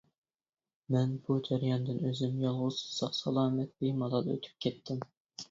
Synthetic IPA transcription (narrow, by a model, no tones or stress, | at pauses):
mɛnbud͡ʒæɾjɑnd̪ɪnøzymjɑlˠʁʊsɨ̥sɑqsɑlˠɑːmɛt̪̚limɑlˠɑlˠø̰t̪ʰy̥p̚kʲʰɛt̪ʰːɪm